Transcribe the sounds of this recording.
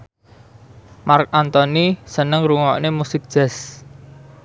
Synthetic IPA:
mark̚ant̪ɔnisənəŋɾuŋɔʔnemusɪk̚d̥ʒ̥ɛ̤s

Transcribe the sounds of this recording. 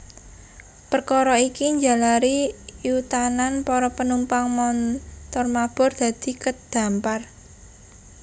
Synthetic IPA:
pərkɔɾɔikiɲd͡ʒa̤laɾijut̪ananpɔɾɔpənumpaŋmɔnt̪ɔrmab̥ɔ̤rd̪̥ä̤d̪̥i̤kəd̪̥a̤mpar

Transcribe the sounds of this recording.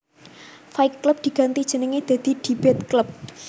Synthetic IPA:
faɪkːləp̚d̪̥i̤ɡ̥a̤nt̪id̥ʒ̥ə̤nəŋed̪̥a̤d̪̥i̤d̪̥i̤b̥ɛt̪̚klʊp̚

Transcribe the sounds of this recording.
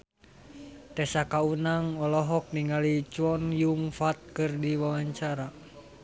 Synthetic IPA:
t̪ɛsakaunaŋɔlɔɦɔk̚niŋalit͡ʃuɔnjuŋfat̪̚kɨrdiwawaɲt͡ʃaɾa

